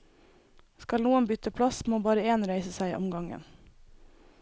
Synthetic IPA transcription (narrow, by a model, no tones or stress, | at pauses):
skɑlnuːənbʏt̪əpʰlɑsmoːbɑːɾəeːnɾæɪsəsæɪ̰ːʔɔmɡɑŋə̰n